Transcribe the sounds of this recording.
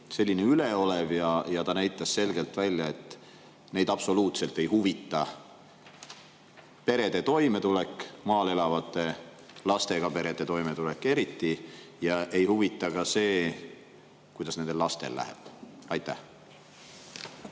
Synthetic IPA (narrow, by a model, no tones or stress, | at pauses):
se̞lʲːineyle̞o̞le̞vjɑjɑt̪ɑnæjt̪ːˑɑsse̞lɡe̞lt̪ˑvælʲjɑe̞t̪ːˑ | ne̞jd̪̥ɑpso̞luːt̪se̞lt̪ːˑe̞jɦuvit̪ːˑɑ | pe̞ɾe̞d̪̥e̞t̪o̞jme̞t̪ule̞kːˑmɑːle̞lɑvɑt̪ːˑe̞ | lɑst̪e̞ɡ̥ɑpe̞ɾe̞d̪̥e̞t̪o̞jmet̪ule̞kːˑe̞ɾit̪ˑːijɑʔe̞jhuvit̪ːˑɑɡɑse̞ː | kujd̪ɑsne̞nd̪e̞lːɑst̪e̞̰lːæ̰hḛb̥ɑjt̪ːˑæh